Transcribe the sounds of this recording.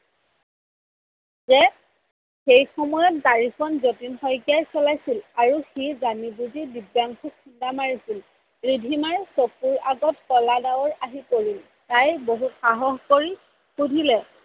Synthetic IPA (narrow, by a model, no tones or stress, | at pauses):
zɛ | xejxɔmɔjɔt̚daɹikʰɔnzotinxɔjkjajsɔlajsilaɹuxizanibudidibjaŋkʰuindamaɹisil | ɹidʱimaɹsokuɹaɡɔtkɔladawɔɹaɦipoɹil | tajboɦutxaɦɔxkoɹi | xudʱilɛ